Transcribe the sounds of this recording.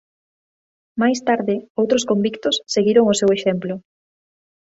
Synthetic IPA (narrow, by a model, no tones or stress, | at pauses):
majst̪aɾðɪowt̪ɾoskombikt̪ʊsːeɣiɾoŋʊseweʃemplʊ